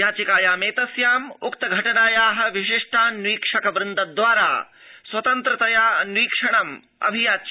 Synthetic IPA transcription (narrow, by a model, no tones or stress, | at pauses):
jaːt͡ʃikaːjaːmeːt̪ɐsjaːmukt̪ɐɡʱɐʈɐnaːjaːɦɐ̆ʋiʃɪʂʈʰaːnwiːkʂɐkɐbɾɪnd̪ɐd̪ʋaːɾa̰ː | swɐt̪ɐnt̪ɾɐt̪ɐjaːnwiːkʂɐɳɐm | ɐ̰bʱijaːt͡ʃ